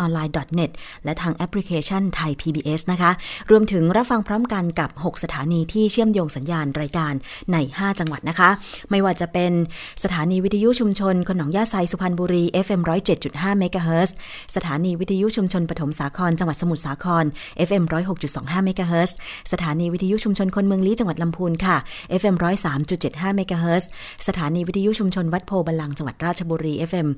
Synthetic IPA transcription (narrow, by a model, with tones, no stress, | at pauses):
ʔɔː˧nlaː˧jdɔ˨˩t̪̚ne˨˩t̪̚ | lɛ˦˥t̪ʰaː˧ŋʔɛ˦˥pʰli˦˥kʰeː˧t͡ɕʰa˥˩nt̪ʰa˧jpʰiː˧biː˧ʔe˦˥sna˦˥kʰa˦˥ʔɾu˧əmt̪ʰɯ˩˦ŋɾa˦˥p̚fa˧ŋpʰɾɔː˦˥mka˧nka˨˩p̚ho˨˩k̚sa˧t̪ʰaː˩˦niː˧t̪ʰiː˥˩t͡ɕʰɯ˥˩əmjoː˧ŋsa˩˦njaː˧nɾaː˧jkaː˧nː | a˧jhaː˥˩t͡ɕa˧ŋwa˨˩t̪̚na˦˥kʰa˦˥ma˥˩jwaː˧˩t͡ɕa˨˩pe˧n | sa˧t̪ʰaː˩˦niː˧wi˦˥t̪ʰiː˧ju˦˥ʔt͡ɕʰu˧mt͡ɕʰo˧nkʰo˧nːɔː˩˦ŋjaː˥˩sa˧jsu˧pʰa˧nbuː˧ɾiː˧ʔe˦˥fʔe˧mɾɔː˦˥jt͡ɕe˨˩t̪̚t͡ɕu˨˩t̪̚ɦaː˥˩meː˦˥kaː˧ɦɤː˦˥s | sa˧t̪ʰaː˩˦niː˧wi˦˥t̪ʰːi˧ju˦˥ʔt͡ɕʰu˧mt͡ɕʰo˧npɾt̪ʰo˩˦msaː˩˦kʰɔː˧nt͡ɕa˧ŋwa˨˩sa˧mu˨˩t̪̚saː˩˦kʰɔː˧nʔe˦˥fʔe˧mɾɔː˦˥jɦo˨˩k̚t͡ɕu˨˩t̪̚sɔː˩˦ŋɦaː˥˩me˦˥kaː˧ɦɤː˦˥ssa˧t̪ʰaː˩˦niː˧wi˦˥t̪ʰiː˧ju˦˥t͡ɕʰu˧mt͡ɕʰo˧nkʰo˧nmɯ˧əŋliː˦˥t͡ɕa˧ŋwa˨˩t̪̚la˧mpʰuː˧nkʰa˥˩ʔe˦˥fʔe˧mɾɔː˦˥jsaː˩˦mt͡ɕu˨˩t̪̚t͡ɕe˨˩t̪̚ɦaː˥˩meː˦˥kaː˧ɦɤː˦˥s | sa˧t̪ʰaː˩˦niː˧wi˦˥t̪ʰiː˧ju˦˥t͡ɕʰu˧mt͡ɕʰo˧nwa˦˥t̪̚pʰoː˧ba˧nla˧ŋt͡ɕa˧ŋwa˨˩t̪̚ɾaː˥˩t̪̚t͡ɕʰa˧buː˧ɾiː˧ʔe˦˥fʔe˧m